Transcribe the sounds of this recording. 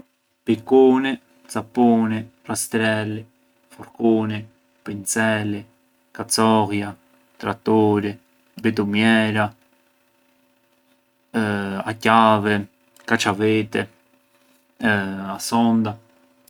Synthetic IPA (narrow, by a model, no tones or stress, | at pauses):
pikuni | t͡sapunirast̪ɾɛli | fɔɾkuni | pint͡sɛlːi | kat͡sɔɣja | t̪ɾat̪ːɔɾi | bit̪umjɛɾa | acavɛ | kat͡ʃavɛt̪ɛ | asɔnd̪a